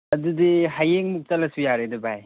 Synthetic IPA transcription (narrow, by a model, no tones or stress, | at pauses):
ɐdudiɦajeŋmuk̚tɐlɐsujaɾedɐbaj